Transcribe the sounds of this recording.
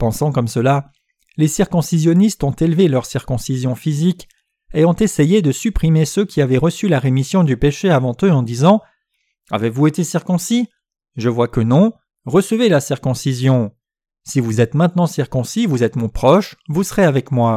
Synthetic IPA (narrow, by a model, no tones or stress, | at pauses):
pɑ̃sɑ̃kɔmsəla | lesiʁkɔ̃sizjɔnist̪ɔ̃t̪elvelœʁsiʁkɔ̃sizjɔ̃fizik | eɔ̃t̪esejed̪əsypχimesøkʲʰiavɛʁəsylaʁemisjɔ̃d̪ypeʃeavɑ̃t̪øɑ̃d̪izɑ̃ | a̰vevuet̪esiʁkɔ̃si | ʒəvwakənɔ̃ | ʁəsəvelasiʁkɔ̃sizjɔ̃ | sivuzɛt̪mɛ̃t̪nɑ̃siʁkɔ̃sivuzɛt̪mɔ̃pχɔʃvusəʁeavɛkmwa